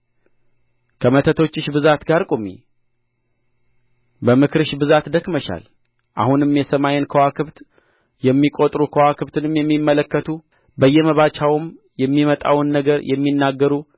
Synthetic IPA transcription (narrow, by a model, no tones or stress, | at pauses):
kʰəmət̪ʰət̪ʰo̞t͡ʃːɪʃbɨzat̪ɡaɾkʼomḭ | bəmɨkʰɨɾɨʃbɨzat̪d̪əkməʃa̰l | ʔa̰hunɨmjɛsəmajenkʰəwakʰɨβt̪ | jɛmːikʼot̪ʼɾukʰəwakʰɨβt̪ʰɨnɨmjɛmːimːələkːət̪ʰu | bəjːɛməβat͡ʃʰawɨm | jɛmːimət̪ʼa̰wɨnːəɡəɾjɛmːinːaɡːəɾu